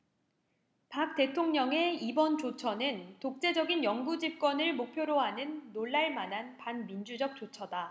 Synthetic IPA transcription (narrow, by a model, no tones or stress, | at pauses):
pak̚t͈e̞tʰoŋɲʌŋe̞ibʌnt͡ɕot͡ɕʰʌnɯntok̚t͡ɕ͈e̞d͡ʑʌɡinjʌŋɡud͡ʑip̚k͈wʌnɯɭmok̚pʰjoɾoɦanɯnːoɭːaɭmanɦanpanmind͡ʑud͡ʑʌk̚t͡ɕ͈ot͡ɕʰʌda